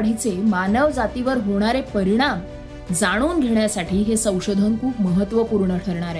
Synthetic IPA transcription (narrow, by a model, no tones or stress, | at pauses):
ɽ̤it͡semanəʋd͡zat̪iʋəɾɦoɽ̃aɾepəɾiɽ̃am | d͡zaɽ̃uːnɡʱeɳjasaʈiːɦesə̃w̃ʂod̪ʱənkʰuːpməɦət̪ːʋəpuɾɳəʈʰəɾɳaɾe